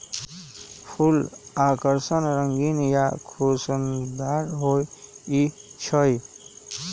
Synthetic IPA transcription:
pʰulakəɾsənɾəŋɡinjakʰusənd̪aɾɦojit͡ʃʰəj

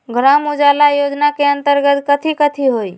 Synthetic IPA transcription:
ɡɾamʊd͡ʒalajod͡ʒnakeə̃nt̪əɾɡət̪kət̪ʰikət̪ʰiɦoi

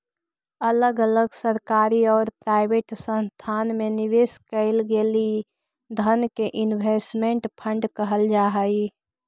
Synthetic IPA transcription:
ələɡələɡsəɾkaːɾiɔːɾpɾaːɪbeːʈsə̃nst̪ʰaːnmẽnɪʋeːskəɪlɡeli | d̪ʱənkeʔɪnbʱesʈmẽɳʈpʰə̃ɳɖkəɦəld͡ʒaːɦəi

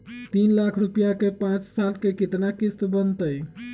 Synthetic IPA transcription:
t̪inlakʰɾupijakepãt͡ʃsalkekit̪nakist̪bənt̪əj

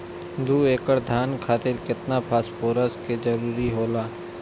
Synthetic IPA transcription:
d̪uːeːkəɽd̪ʱjaːnkʰaːt̪ɪɾkɪt̪napʰaːspoːɾəsked͡ʒəɾuːɾiɦoːlaː

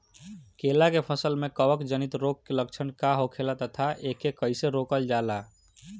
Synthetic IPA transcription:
kelakepʰəsəlmekəʋəkd͡ʒənit̪ɾok̚kelək̚t͡ʃʰənkaɦokʰelat̪ət̪ʰaʔekːekəɪseɾokəld͡ʒala

